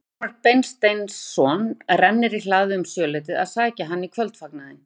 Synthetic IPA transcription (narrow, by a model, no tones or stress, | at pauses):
aɾ̚pejnst̪ejnsːɔːnrɛnnɪɾilaːɣðʏʏmsjœːlɛjt̪ɪða̰ðsaːcaɦanːikʰvœlt̪faknaðɪn